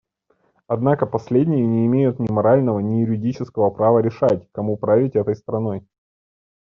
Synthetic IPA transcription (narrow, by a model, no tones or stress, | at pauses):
ɐd̪nakəpɐsʲlʲedʲnʲɪjənʲɪɪmʲejʊt̪nʲɪmɐɾalʲnəvənʲɪjʊɾʲɪdʲit͡ɕɪskəvəpɾavəɾʲɪʂatʲkɐmupɾavʲɪtʲɛt̪əjst̪ɾɐno̞j